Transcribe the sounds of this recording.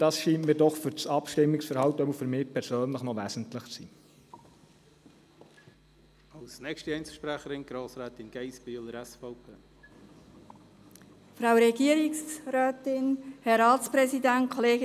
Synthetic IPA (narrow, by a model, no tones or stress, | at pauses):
d̥ɑsʃiːntmiːɾdɔχfʏɾt͡sɑpʃtɪmːɪksfəɾhɑwtœbəfɵɾmɪːpʰɛɾsøːnləχnɔʋæːsn̩tləχt͡sḭː | ɑlsnɛkʃtiɛɪnt͡sʃpɾæχəɾɪnɡ̥ɾoːsɾɛːtɪnɡ̥ɛɪsb̥yːləɾɛsfɑʊpʰeː | fɾawɾɛɡiːɾɪksɾɛːtɪnhɛɾɑːt͡spɾɛsidænt̚kʰoleːɡ